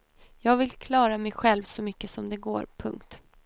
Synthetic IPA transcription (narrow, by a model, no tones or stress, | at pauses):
jɑːɡvɪlkʰlɑːɾamɛjɧɛlvsɔmʏkːəsɔmd̪ɛɡo̰ːɾpʰɵ̰ŋkt̪